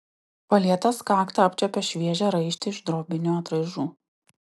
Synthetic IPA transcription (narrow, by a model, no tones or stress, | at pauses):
pɐlʲiɛt̪ɐskɑːkt̪ɐɐpʲt͡ʃʲɛpʲɛʃʲʋʲiɛʒʲɛɾɐɪʃʲt̪ʲɪɪʒd̪ɾoːbʲɪnʲuɐt̪ɾɐɪʒuː